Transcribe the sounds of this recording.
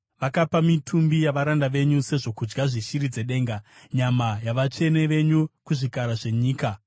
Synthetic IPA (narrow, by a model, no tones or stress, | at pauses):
ʋakapamitʰumbijaʋaɾandaʋe̞ɲuse̞ʐo̞kud͡ʒɡaʐiʃiɾid͡ze̞ɗe̞ːŋɡaɲamajaʋat͡ʃe̞ne̞ʋe̞ɲukuʐikaɾaʐe̞ɲiːka